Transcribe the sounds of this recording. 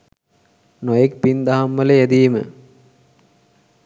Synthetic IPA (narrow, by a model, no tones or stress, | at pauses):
nojek̚pind̪aɦamʋəlejæd̪iːmə̰